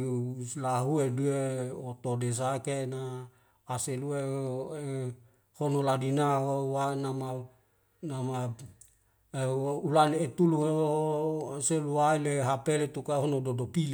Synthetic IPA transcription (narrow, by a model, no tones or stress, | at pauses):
slaɦuedueot̪odes̬akenaː | seluee | honoladinaɦowanama | nama | ulanet̪uluo | seluwaileɦapelet̪ukaɦonododopil